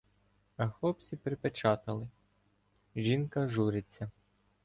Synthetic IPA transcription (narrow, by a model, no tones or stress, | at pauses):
ɐxlˠɔpt͡sʲipɾɪpet͡ʃɑt̪ɐlˠɪ | ʒinkɐʒuɾɪt͡sʲːɐ